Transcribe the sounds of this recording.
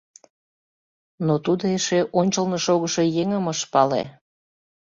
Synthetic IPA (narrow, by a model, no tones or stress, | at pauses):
not̪ud̪oeʃeʔonʲt͡ɕəlneʃoɣəʃe̽jeŋəməʃpɑlḛ